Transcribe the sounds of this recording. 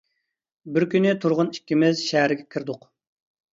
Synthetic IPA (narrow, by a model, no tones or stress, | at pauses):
bɪɾkʲynɪt̪ʰuɾʁʊnikʲːimɪzʃɛɦæɾɪɡʲɛkʲʰiɾd̪ʊq